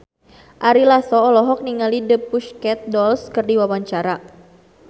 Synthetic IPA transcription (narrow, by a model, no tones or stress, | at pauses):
ʔaɾilasɔːlɔɦɔk̚niŋalidəpːuʃkɛt̪̚dɔlskərdiwawaɲt͡ʃaɾa